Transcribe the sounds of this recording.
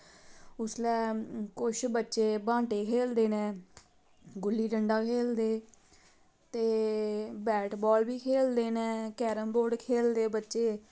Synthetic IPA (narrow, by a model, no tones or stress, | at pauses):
ʊslɛːkʊʃbətːʃeːbãːʈeːkʰeːld̪eːnɛ̃ː | ɡʊlːiːɖəɳɖaːkʰeːld̪eː | t̪eːbɛːʈbɔːlbiːkʰeːld̪eːnɛ̃ːkɛːɾəmboːɾɖkʰeːld̪eːbətːʃeː